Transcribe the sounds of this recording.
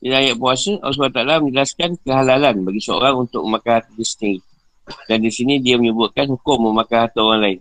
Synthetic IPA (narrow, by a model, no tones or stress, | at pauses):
ilajaʔpuasəʔɔ̰s̬bat̪alamə̃ɲd͡ʒəlaskankəɦalalanbaɡisəo̰ɾaŋunt̪ʊ̰k̚əmãkaɦat̪̚distiŋ | dandisinĩdiaməɲəbʊt̪̚kanhukʊmːəmãkaɦat̪oɣaŋlaɪn